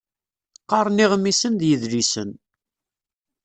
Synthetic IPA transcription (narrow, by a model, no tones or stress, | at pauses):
qɑɾˤniʁmːisənd̪jəðlisə̰n